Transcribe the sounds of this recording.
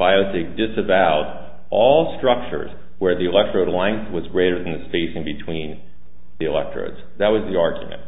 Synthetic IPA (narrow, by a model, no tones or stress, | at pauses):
b̥aɪoʊtek̚dɪsɨvaʊɾ | ʔɔlˠstɹ̥ʌk̚t͡ʃə̰˞z̥ | wə˞ðiɨlɛk̚tɹ̥oʊdˡlãɪ̃nθwʌzɡɹeɪɾə˞ð̃n̩ðɨspeɪsɪ̃ŋbɨtʰw̥ĩn | ðiɨlɛ̰k̚tɹ̥o̰ʊdz̥ | ðɨt̚wʌzðiɑɹɡj̰mɨ̰̃nt̚